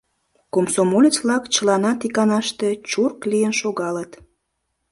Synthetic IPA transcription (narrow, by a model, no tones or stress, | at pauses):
komsomolʲet͡sβlɑkt͡ɕəlɑnɑt̪ikɑnɑʃt̪et͡ɕurklijənʃoɣɑlət̪